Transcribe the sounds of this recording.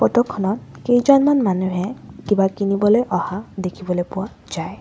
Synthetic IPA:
pɔtɔkʰːɔnɔt̚kejd͡ʒɔnmanmanuɦɛkibakinibɔlojʔɔhadekʰibɔlojpʊwa | d͡ʒaj

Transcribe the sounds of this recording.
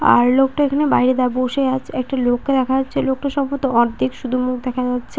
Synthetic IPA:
a̰ɾlokʈaekʰanebajɾed̪aboʃeat͡ɕʰɛk̚ʈalokːed̪ɛkʰaatːɕʰelok̚ʈaʃɔbpot̪oɔɾd̪ʱikʃud̪ʱumukʰd̪ɛkʰad͡ʑatːɕʰe

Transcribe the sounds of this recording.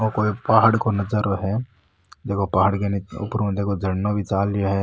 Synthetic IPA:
okoːipaːɦɽkonɐzəɾoɦɛ | d̪eːkʰopaːɦɽkeniʊ̰pɾũd̪eːkʰod͡ʒʱɐɽnõbʱit͡ʃaːljoɦɛː

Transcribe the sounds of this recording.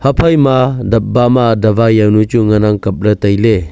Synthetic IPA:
hapʰajmadɐp̚bamadɐbajawnut͡ʃuŋanaŋkɐp̚lɐtɐjle

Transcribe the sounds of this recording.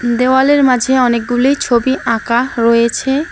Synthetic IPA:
d̪ewaleɾmad͡ʑʱeɔnek̚ɡulijt͡ɕʰobiʔãkaɾɔjet͡ɕʰe

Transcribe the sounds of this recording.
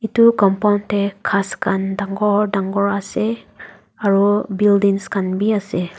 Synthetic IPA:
itukɔmpawntekʰaskʰandaŋɡɔɹdaŋɡɔɹase | aɹubildiŋskanbiase

